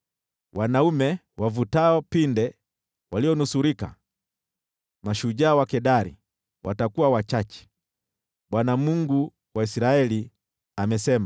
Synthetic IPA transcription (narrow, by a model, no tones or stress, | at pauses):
wanaumɛ | wavutaɔpindɛ | waliɔnusuɾika̰ | maʃuʄaːwakɛɗaɾḭ | wa̰takuwawat͡ʃat͡ʃɛ̥ | ɓwanamuŋɡu | waisiɾaɛli | amɛsɛma